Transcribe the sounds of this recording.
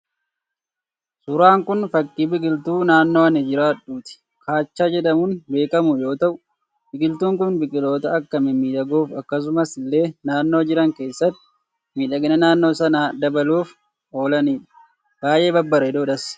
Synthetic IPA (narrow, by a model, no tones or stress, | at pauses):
sʊɾaːŋkʊnfɐkʼːiːbɪɡʼɪlt̪uːnaːnːoːɐnɪd͡ʒɪɾaːᶑuːt̪ɪ̥ | kaːt͡ʃːaːd͡ʒɛᶑɐmunbe̞ːkɐmʊjo̞ːt̪ɐʔʊ | bɪɡɪlt̪uːŋkʊnbɪkʼɪlo̞ːt̪ɐɐkːɐmɛmiːᶑɐɡuːfɐkːɐs̬ʊmɐsɪlːe̞ːnaːnːo̞ːd͡ʒɪɾɐŋke̞ːsːɐt̪ːɪ̥ | miːᶑɐɡɪnɐnaːnːo̞ːsɐnaːd̪ɐbɐluːf | o̞ːlɐniːᶑɐ̥ | b̥aːje̞ːbɐbːɐɾɛɪd̪oːᶑɐs